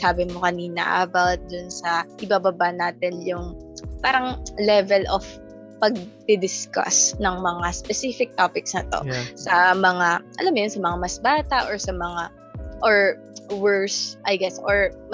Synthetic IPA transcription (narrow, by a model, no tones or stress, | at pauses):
saːbɪmokɐniːnɐ̰ʔɐbawt̪̚d̪ʊnsɐʔɪbaːbɐbanaːt̪ɪnjʊŋpaːɾɐŋlɛvɛlʔof | pɐɡ̚d̪ɪd̪ɪskɐ̰snɐŋmɐŋaspɛsiːfɪk̚t̪oːpɪksnɐt̪o̰sɐmɐŋaʔɐ̰lɐmːojonsɐmɐŋamɐsbaːt̪ɐʔoɹsɐmɐŋa | ʔoɹ | wɛɹsʔɐjɡɛsʔoɹm